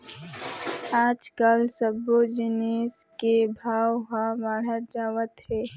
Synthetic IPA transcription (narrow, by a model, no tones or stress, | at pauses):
aːd͡ʒkəlsəbod͡ʒɪneːskebʱaːwɦãʋaːɽ̤əɾd͡ʒaːʋət̪ɦɛː